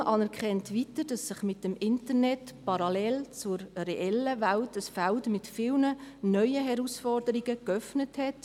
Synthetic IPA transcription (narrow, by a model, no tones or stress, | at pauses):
ʔɑnɛɾkʰχɛntʋitəɾd̥ɑsːɪχmɪtəmɪntəɾnɛtpɑɾɑlɛlt͡sʊɾrɛʔɛləʋaltəsfæltmɪtfɪːlnənœʏəɦɛɾusfɔrdəɾiɡəkœfnəthɛt